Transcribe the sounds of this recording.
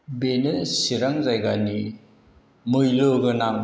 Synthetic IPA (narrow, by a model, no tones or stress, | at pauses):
benɯsiɾaŋzajɡani | mɯjlɯɡɯnaŋ